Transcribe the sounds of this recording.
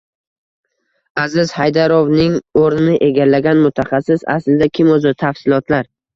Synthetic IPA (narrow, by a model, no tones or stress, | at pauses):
azɪzhajd̪aɾɒvnɪŋoɾnɪnɪʔeɡʲalːaɡʲanmʊt̪ʰaχasːɪsa̰slɪd̪akʲʰɪmɵzɪt̪ʰafsɪlˠɒt̪ʰlaɾ